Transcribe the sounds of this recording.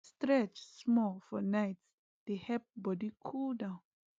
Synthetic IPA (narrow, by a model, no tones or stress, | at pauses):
stɹɛt͡ʃsmɔfɔnaɪts | d̥ehɛp̚bɔdikʰuldãʊ̃n